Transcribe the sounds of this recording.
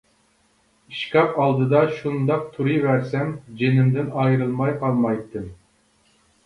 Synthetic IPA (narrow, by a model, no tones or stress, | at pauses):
iʃkʲɑpɑlˠd̪ɨd̪ɑʃund̪ɑq̚t̪ʰuɾɨjvæɾsɛmd͡ʒenɪmd̪ɪnɑjɾɨlˠmɑjqʰɑlˠmɑjt̪ʰːɨm